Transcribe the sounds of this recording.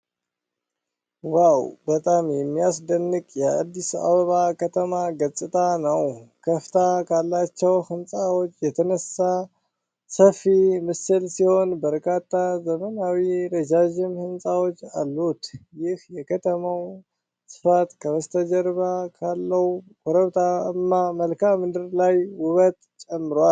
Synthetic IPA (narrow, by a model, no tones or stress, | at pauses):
wawbət̪ʼamjɛmːijas̬d̪ənːɨkʼjɛa̰d̪ːisa̰βəβakʰət̪ʰəmaɡət͡sʼːɨt̪ʼanəwkʰəft̪ʰakʰalːat͡ʃːɛwhɨnsʼawot͡ʃːjɛt̪ʰənəsa | səfimɨsɨlsiho̞nbəɾkʰat̪ʰːazəmənawiɾed͡ʒaʒɪmhɨnsʼawot͡ʃːa̰lːut̪jɪhjɛkʰət̪ʰəmaw | sɨ̥fat̪kʰəβəst̪ʰəd͡ʒəɾβakʰalːəhu | kʰoɾəβt̪ʰaɨmːaməlkʰamɨnd̪ɨɾlajwʊβət̪t͡ʃʼɛmːɨɾwal